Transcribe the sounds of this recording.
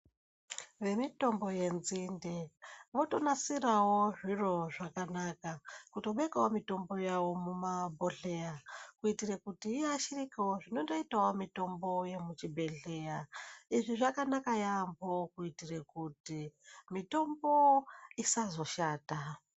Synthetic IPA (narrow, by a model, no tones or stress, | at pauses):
ʋe̞mito̞mbo̞je̞nzindeʋo̞tonasirawo̞ʐiro̞ʐakanakakutoɓekawomito̞mbo̞jawo̞mumabʱo̞ɬejakuitirakutiːjeaʃirikiwoʐino̞ndoitawomito̞mbo̞je̞mut͡ʃibʱe̞ɮe̞jaiʐiʐakanakajambo̞kuitirekutimito̞mboisazo̞ʃaːta